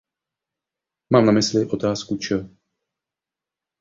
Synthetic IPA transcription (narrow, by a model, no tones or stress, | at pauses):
maːmnamɪslɪʔo̞t̪aːskut͡ʃə